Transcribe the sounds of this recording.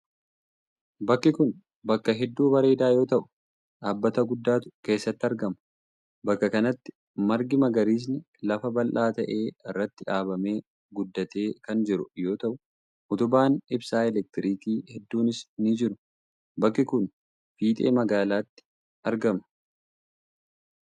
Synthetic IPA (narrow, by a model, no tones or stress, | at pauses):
bɐkːɪkʊn | bɐkːɐɦɛd̪ːuːbɐɾeːd̪aːjo̞ːt̪ɐʔʊ̥ | ᶑaːbːɐt̪ɐɡʊd̪ːaːt̪ʊ̥ke̞ːsːɐt̪ːɪɐɾɡɐmɐ | bɐkːɐkɐnɐt̪ːɪ̥ | mɐɾɡɪmɐɡɐɾiːs̬nɪ | lɐfɐbɐlʔaːt̪ɐʔe̞ːɪrːɐt̪ːɪᶑaːbɐme̞ː | ɡʊd̪ːɐt̪e̞ːkɐnd͡ʒɪɾʊjo̞ːt̪ɐʔʊ | ʔʊt̪ʊbaːnɪbsaːɛlɛk̚t̪ɪɾiːkiːhɛd̪ːuːnɪsnɪd͡ʒɪɾʊ | bɐkːɪkʊn | fiːt̪ʼeːmɐɡaːlaːt̪ːɪ̥ | ɐɾɡɐmɐ